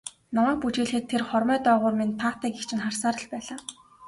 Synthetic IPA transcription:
namæːk̚put͡ɕeːɮxĕt̪ʰːerχɔrmœːt̪œːʁʊːrmint̪ʰːaːt̪æːkekt͡ɕʰɪ̆nχarsaːɾə̆ɮpæːɮaː

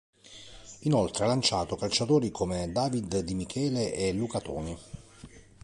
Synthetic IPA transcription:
inolt̪ɾealant͡ʃaːt̪okalt͡ʃat̪oːɾikʰomed̪aːvid̪d̪imikʰɛːleʔelukat̪oːni

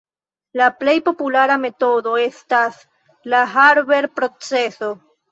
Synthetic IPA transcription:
laple̞jpo̞pulaɾame̞t̪o̞ðo̞estas | laɦaɾβe̞ɾpɾo̞t͡seso̞

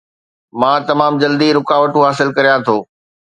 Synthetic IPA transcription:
mãːt̪ɐmaːmd͡ʑɐld̪iɾʊkaːʋəʈũɦaːsɪlkɐɾijãt̪ʰoː

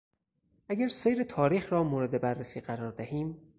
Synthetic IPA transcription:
ʔæɡæɾsejɾe̞t̪ʰɒːɾiːxɾɒːmoːɾe̞d̪e̞bærːesiːɢæɾɒːɾd̪æhiːm

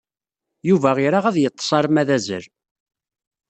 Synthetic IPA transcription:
juvæʁɪɾaʁæðjət̪ˤːə̥sˤɑɾˤmæðæzə̰ɾ

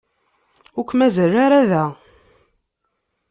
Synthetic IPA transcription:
ʊkʷːmæzərːaɾaðæ

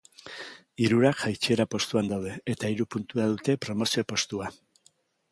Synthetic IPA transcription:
iɾuɾaʝajt͡ʃie̞ɾapo̞st̪uand̪awð̞e̞et̪aiɾupunt̪uaðut̪e̞pɾo̞mo̞sio̞po̞st̪ua

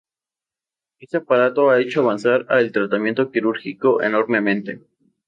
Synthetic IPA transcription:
e̞st̪eapaɾat̪o̞ae̞t͡ʃoaβansaɾaelt̪ɾat̪amjent̪o̞kiɾuɾxiko̞ʔḛno̞ɾme̞mẽ̞nt̪e̞̰

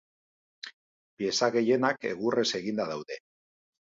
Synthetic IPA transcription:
pie̞saɣe̞je̞nake̞̰ɣ̞ure̞se̞ɣind̪aðawðe̞

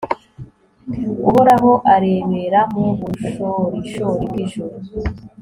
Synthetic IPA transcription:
ṵβoɾaβoʔaɾeβeɾamuβuʃoɾiʃoɾiɡiʒoɾ

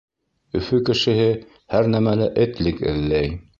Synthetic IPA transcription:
ɵ̆fɵkɘ̆ʃɘ̆ɦɘ | hæɾnæmælæʔɘ̆t̪lɘkɘ̰̆ðlæj

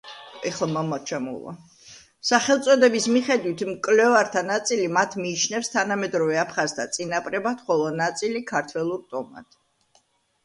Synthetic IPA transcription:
ɛχlˠmamɔt͡ʃʰamṵlˠɔ̰ | saχɛlˠt̪sʼɔd̪ɛbismiχɛd̪wit̪ʰmkʼlɛvaɾt̪ʰanat̪sʼilimat̪ʰmiːt͡ʃʰnɛfst̪ʰanamɛd̪ɾɔvɛapʰχazt̪ʰat̪sʼinapʼɾɛbat̪χɔlˠɔnat̪sʼilikʰaɾt̪ʰwɛlˠuɾt̪ʼɔma̰t̪ʰ

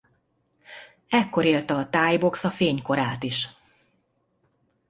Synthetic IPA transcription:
ɛkːo̞ɾeːlt̪ɒːt̪aːjbo̞ksɒfeːɲko̞ɾaːt̪iʃ

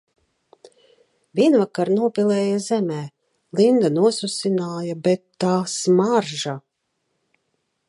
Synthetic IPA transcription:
vʲiɛnvakaɾnuɔpʲilˠɛːjazɛmɛː | lind̪anuɔsusʲinaːjabɛt̪ːaːsmaɾʒa

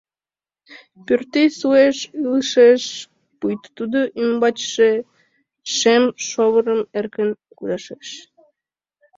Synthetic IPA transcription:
pørt̪esueʃɯlˠʃeʃ | pujt̪t̪ːud̪oʔymbɑt͡ɕʃe | ʃemʃoβə̆ɾə̆merkən | kuɾɑʃeʃ

